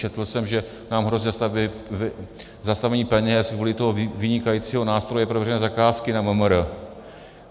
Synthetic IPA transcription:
t͡ʃɛt̪l̩sɛmʒɛ | naːmɦɾozst̪av | zast̪avɛɲiːpɛɲɛsɡvuːlɪt̪oɦovɪɲɪkajiːt͡siːɦo̞naːst̪ɾo̞jɛpɾovjɛrɛnɛːzakaːskɪnaməmɾə

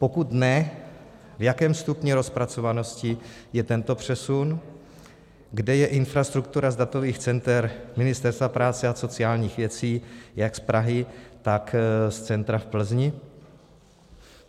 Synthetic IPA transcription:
po̞kut̪nɛ | vjakɛːmst̪upɲɛɾo̞spɾat͡so̞vano̞scɪjɛt̪ɛnt̪o̞pr̝̥ɛsun | ɡdɛjɛʔɪnfɾast̪ɾuk̚t̪uɾazdat̪o̞viːxt͡sɛnt̪ɛɾmɪnɪst̪ɛɾst̪vapɾaːt͡sɛaso̞t͡sɪaːlɲiːxvjɛt͡siːjakspɾaɦɪt̪akst͡sɛnt̪ɾafpl̩zɲɪ

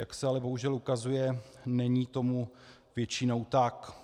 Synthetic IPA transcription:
jaksɛalɛbo̞ɦuʒɛlukazujɛ | nɛɲiːt̪o̞mu | vjɛt͡ʃɪno̞wt̪ak

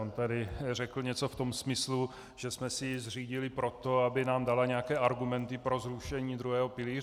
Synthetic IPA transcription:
ont̪adɪrɛkl̩ɲɛt͡so̞ft̪o̞msmɪslu | ʒ̥ɛsmɛsɪzr̝iːɟɪlɪpɾo̞t̪o̞abɪnaːmdalaɲɛakɛːʔaɾɡumɛnt̪ɪpɾo̞zɾuʃɛɲiːd̪ɾuɦɛːɦo̞pɪliːr

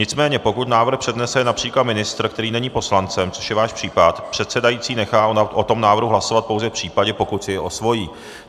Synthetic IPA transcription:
ɲɪt͡smɛːɲɛpo̞kut̪naːvr̩xpr̥ɛdnɛsɛɛnapr̥iːklat̪mɪnɪst̪ɾ̩kt̪ɛɾiːnɛɲiːpo̞slant͡sɛmt͡so̞ʃjɛvaːʃpr̥iːpat̪pr̝̥ɛt̪sɛdajiːt͡siːnɛxaːʔot̪o̞mnaːvr̩ɦuɦlasovat̪̚powzɛfpr̝̥iːpaɟɛpo̞kut̪sɪɛʔosvo̞jiː

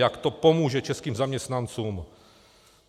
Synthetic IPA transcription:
jakt̪opomuːʒɛt͡ʃɛskiːmzamɲɛst̪nant͡suːm

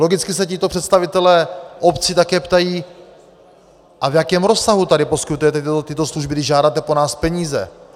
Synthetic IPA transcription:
loɡɪt͡skɪsɛcɪt̪opr̝̥ɛt̪st̪avɪt̪ɛlɛːʔopt͡sɪt̪akɛːpt̪ajiː | ʔavjakɛːmɾosaɦut̪adɪposkɪt̪ujɛt̪ɛt̪ɪt̪osluʒbɪdɪʒaːdaːt̪ɛponaːspɛɲiːzɛ̰

